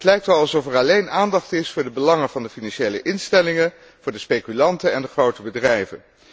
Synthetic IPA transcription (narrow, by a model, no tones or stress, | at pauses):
ətlɛjk̚tɛlˠɑlˠsɔfɛɹɑlejnaːndɑχtɪsfʊːɹdəbəlɑŋəvɑndəfinɑnʃejlə̰ʔɪnstɛlɪŋə | v̥ʊːɹdəspejkylɑntəɛndəχrowtəbədrɛjvə̰n